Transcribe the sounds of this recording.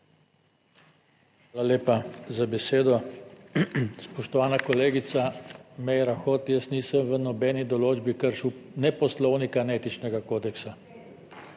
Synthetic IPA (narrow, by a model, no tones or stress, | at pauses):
xaːlaleːpazabɛseːd̪ɔ | spɔʃt̪ɔʋaːnakɔleːɡit̪samɛjɾaxot̪jəsniːsəmʋənɔbɛːnid̪ɔloːd͡ʒbikəɾʃuwnɛpɔslɔwnikaneːt̪it͡ʃnɛɡakoːd̪ɛksa